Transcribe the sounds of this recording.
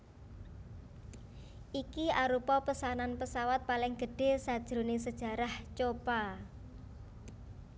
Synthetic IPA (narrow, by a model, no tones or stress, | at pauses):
ʔikiaɾupɔpəsananpəsawat̪̚palɪŋɡ̥əɖ̥e̤sad̥ʒ̥ɾones̬əd̥ʒ̥ä̤ɾaht͡ʃopa